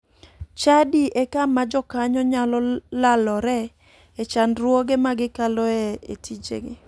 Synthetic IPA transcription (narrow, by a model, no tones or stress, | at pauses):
t͡ʃadiʔekamad͡ʒɔkaɲɔɲalɔlalɔɾɛ | et͡ʃanɾwoɡemaɡɪkalɔɛḛtʰid͡ʒḛɡɪ